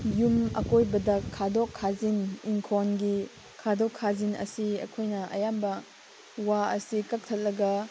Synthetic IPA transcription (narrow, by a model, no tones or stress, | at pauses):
jumɐ̰kojbɐdɐkʰːadɔkʰːaziniŋkʰɔnɡi | kʰadɔkʰːazinɐ̰siɐ̰kʰojnɐʔɐ̰jambɐ | waɐsikɐk̚t̪ʰɐt̚lɐɡɐ